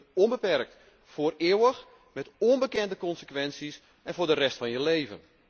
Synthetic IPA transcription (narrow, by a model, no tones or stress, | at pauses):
ɔnbəpɛrk̚t | fʊːrɪəwəx | mɛtɔnbəkɛndəkɔnsəkʋɛnsis | ʔɛnvʊːɹdərɛstfɑnjəleːvə̰n